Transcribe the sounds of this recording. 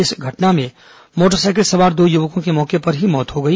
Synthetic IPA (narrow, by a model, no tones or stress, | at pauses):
ɪsɡʱɐʈnamẽ | moːʈ̬əɾsaːk̬eʈsɐʋaːɾd̪oːjʊʋəkõkemɔːkepɐɾɦimɔːt̪ɦoɡɐi